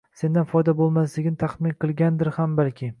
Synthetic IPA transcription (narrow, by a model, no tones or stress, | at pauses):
se̞nd̪anfɒjd̪abolˠmas̬lɪɡʲnɪt̪ʰaχmɪnqʰɨlˠɡʲand̪ɪɾhambalkʲʰɪ